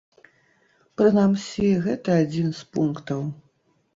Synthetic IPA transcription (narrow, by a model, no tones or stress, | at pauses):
pɾɨnamsʲiɣɛt̪ɐad͡zʲinspunkt̪ɐw